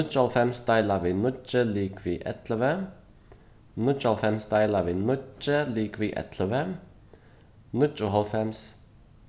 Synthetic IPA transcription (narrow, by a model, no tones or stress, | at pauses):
nʊt͡ʃːɔlfɛmsd̪ɑɪlɑʋiːnʊt͡ʃːəliːkʋiːʔɛ̰t̪ləʋə | nʊt͡ʃɔlfɛmsd̪ɑɪlɑʋiːnʊt͡ʃːəliːkʋiːʔɛ̰t̪ʰləʋə | nʊt͡ʃːʊɦɔlfɛms